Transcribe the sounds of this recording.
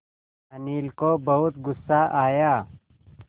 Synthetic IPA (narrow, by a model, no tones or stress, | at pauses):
ɐniːlkoːbɐɦʊt̪ɡʊsːaːʔaːjaː